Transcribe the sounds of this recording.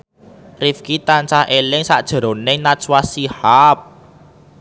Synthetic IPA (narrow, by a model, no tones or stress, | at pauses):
rifkit̪ant͡ʃahʔelɪŋsa̰ʔd̥ʒ̥ə̤ɾo̤nɪŋnaswasihap̚